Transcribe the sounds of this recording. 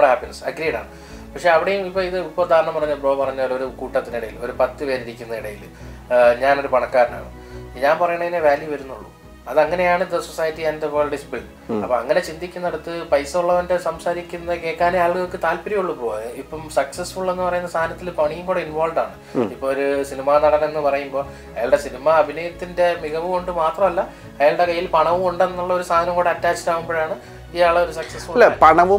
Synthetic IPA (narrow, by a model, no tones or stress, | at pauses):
ɽɦaːpːinɐsɐɡɾiːɽa̰ːɳɨ | pɐkʂe̞ɐʋiɽejumipːo̞ːiðɨipːord̪ʱaːɾɐɳɐmpɐrɐɲːbro̞ːpɐrɐɲːɐɾo̞ɾukuːʈːɐt̪ːiniɽɐjilo̞ɾupɐt̪ːɨʋeːɾiɾikʲːunːɐiɽɐjil | ɲaːno̞ɾupɐɳɐkːaːɾɐna̰ːɳɨ̰ | ɲaːnpɐrɐjuɳːɐinːeʋaːljuʋɐɾunːuɭːu | ɐðɐŋːɐne̞jaːɳɨd̪ɐso̞saːjɐtːiɐnd̪eʋɐːɭɖisbiɭɖ | ɐpːoːɐŋːɐne̞t͡ɕind̪ikʲːunːɐeɽut̪ːɨpɐjsɐuɭːɐðɐndesɐmsaːɾikʲːunːɐke̞ːkːaːnjaːɭkejo̞kːet̪aːlpɐɾijuɭːupoːɐipːɐmsɐksɐsfuɭːe̞nːɨpɐrɐjunːɐst̪ʰaːɐnɐt̪ːilpɐɳijumɡoɽeinʋoːlɖaːɳɨ | ipːoːɭoɾusinimaːnɐɽɐnɐmenːɨpɐrɐjumbo̞ː | ɐjaːɭɽe̞sinimɐɐbʱinɐjɐt̪ːinde̞miɣɐʋɨkoɳɖɨmaːt̪rɐmɐlːɐ | ɐjaːɭɽe̞kɐjːilpɐɳɐʋuoɳɖenːuɭːɐo̞ɾusaːd̪ʱɐnɐmŋkoːɽeɐtːaːt͡ɕːi̥taːɣumbo̞ːjaːɳɨ | iːaːɭɐo̞ɾusɐksɐsfuɐepɐɳɐʋu